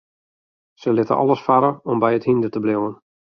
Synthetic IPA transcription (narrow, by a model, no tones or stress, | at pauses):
səlɪtə̰ʔɔ̰lˠəsfaɾəɔmbɛjəthindətəblɪwən